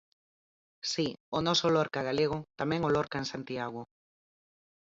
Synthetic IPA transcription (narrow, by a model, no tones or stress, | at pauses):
sionɔsolɔɾkaɣ̞aleɣ̞ot̪amɛ̃ŋolɔɾkaensant̪iaɣ̞o